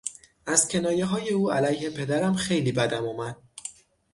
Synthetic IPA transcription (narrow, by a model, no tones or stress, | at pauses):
ʔæzcʰe̞nɒːje̞ɦɒːje̞uːælæjhe̞pʰe̞d̪æɾæmxe̞jliːbæd̪æmuːmæd̪̥̚